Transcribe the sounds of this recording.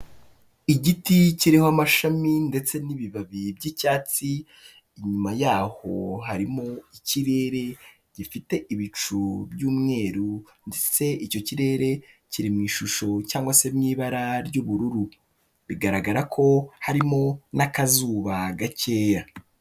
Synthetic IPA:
iɟiticiɾihoamaʃaminde̞t͡se̞niβiβaβibɟicaːt͡siː | ɲumajaːho̞̰ɦaɾimoiciɾe̞ːɾe̞ | ɟ̥ifite̞ʔiβit͡ʃubjuːmŋe̞ːɾu | ndet͡se̞ʔico̞ciɾe̞ːɾe̞ciɾimŋiːʃuʃo̞caːŋɡwase̞mɲiːβaɾaɾɟuːβuɾuɾu | βiɡaɾaɡaɾakʰo̞haɾimo̞nakazuːβaɡace̞ːja

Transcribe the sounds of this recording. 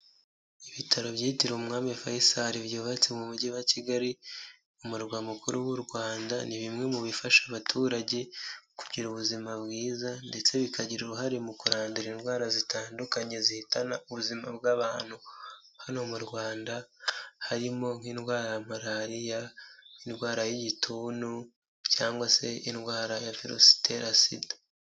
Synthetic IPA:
iβitʰaɾo̞βjiːtiɾomŋaːmefajisaɾivɟoːβat͡semuβuɟiwaciɡaɾi | umuɾɡwamukuɾuwuɾɡwaːndaniβimŋe̞muβifaʃaβatʰuːɾaɟe̞ku̥ɟiɾuβuzimabɡiːzande̞t͡se̞βikaɟiɾoɦaɾimukuɾaːnduɾinwaːɾazitʰaːndukaɲe̞zihitʰanauβuzimabɡaβaːn̥hu | hano̞muɾɡwaːndahaɾimo̞ŋ̥hiːnwaːɾajamaɾaɾijainwaːɾajiɟitʰuːnu | caːŋɡwase̞inwaːɾajafiɾo̰si̥tḛɾasḭde

